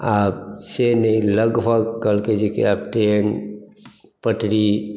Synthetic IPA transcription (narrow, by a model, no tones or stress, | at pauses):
aːbsenəĩləɡbʱəɡkəlked͡ʒikḛaːp̚ʈɾeːn | pəʈɽi